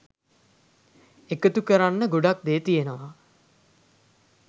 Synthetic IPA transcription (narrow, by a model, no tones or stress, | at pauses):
ekət̪ukəɾanːəɡoɖak̚d̪eːt̪ijenəʋa